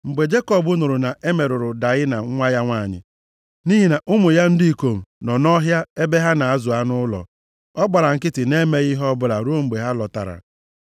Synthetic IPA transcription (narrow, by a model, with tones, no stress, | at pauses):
ŋ͡m̩˨ɡ͡be˨d͡ʒe˦kɔ˨bʊ˦nʊ˨ɾʊ˨na˨e˦me˨ɾʊ˨ɾʊ˨da˨ɣɪ˦na˨˦ŋʷa˦ja˦ŋʷa˦˨ɲɪ̰˨ | ni˦ɦi˨na˨ʔʊ˦mʊ˨ja˦n̩˦dɪ˦i˨ko˨m̩˨nɔ˨nɔ˦ɦja˦e˦be˦ɦa˦na˨a˦zʊ˨a˦nʊ˦lɔ̰˨ | ɔ˦ɡ͡ba˨ɾa˨ŋ̩˨kɪ˦tɪ˨ne˦me˦ɣi˦ɦɔ˦bʊ˦ɾa˨ɾu˦o˦˨m̩˨ɡ͡be˨ɦa˦lɔ˨ta̰˨ɾa̰˨